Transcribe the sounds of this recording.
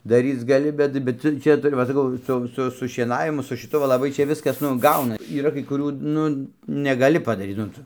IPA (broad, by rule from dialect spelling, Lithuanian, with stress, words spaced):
dɐˈrʲiːt͡s ɡɐˈlʲɪ ˈbʲɛt ˈbʲɛt ˈtʊ ˈt͡ʃʲɛ tʊˈrʲɪ ʋɐ sɐˈkɐʊ ˈsʊ ˈsʊ sʊ ʃʲiɛˈnɑːʋʲɪmʊ sʊ ʃʲɪˈtʊ ʋɐ lˠɐˈbɐɪ ˈt͡ʃʲɛ ˈʋʲɪskɐs ˈnʊ ˈɡɐʊnɐ iːˈrɐ kɐɪ kʊˈrʲuː ˈnʊ nʲɛɡɐˈlʲɪ pɐdɐˈrʲiːt nʊ ˈtʊ